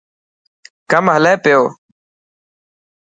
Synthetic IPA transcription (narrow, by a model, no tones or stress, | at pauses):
kəmɦəleːpɪjoː